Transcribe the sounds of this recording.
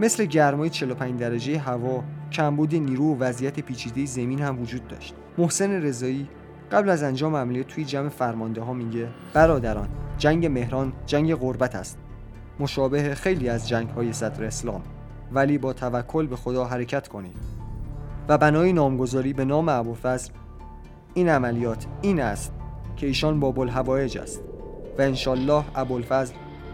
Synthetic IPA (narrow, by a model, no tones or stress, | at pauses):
me̞sle̞ɟæɾmɒːjet͡ʃʰe̞lo̞pʰæɲd͡ʒd̪æɾæd͡ʒe̞jeɦævɒːcʰæmbuːd̪eniːɾuːovæzijæt̪ʰepʰiːt͡ʃʰiːd̪e̞jezæmiːnhæmvod͡ʒuːd̪̚ːɒ̰ʃt̪ | mo̞hse̞ne̞ɾe̞zɒːiː | ɢæblæzænd͡ʒɒːmeæmulijæt̪ʰːujed͡ʒæme̞fæɾmɒnd̪eɦɒːmiːɟe̞ | b̥æɾɒːd̪æɾɒːnd͡ʒæŋɟe̞me̞hɾɒːnd͡ʒæŋɟe̞ɣo̞ɾbæt̪ʰæ̰st̪ | mo̞ʃɒːbe̞hexe̞jliːæzd͡ʒæŋɡhɒːje̞sæd̪ɾeːslɒ̰ːm | væliːbɒːt̪ʰævækʰːo̞lbe̞xod̪ɒːɦæɾecʰæt̪ʰkʰo̞nḭːd̪̥ | væbænɒːjinɒːmɡo̞zɒːɾiːbe̞nɒːmeæbolfæzɾ | iːnæmælijɒːt̪ʰiːnæst̪̚cʰe̞iːʃɒːnbɒːbolɦævɒːje̞d͡ʒæ̰st̪væenʃɒːlːɒːhæbolfæzɾ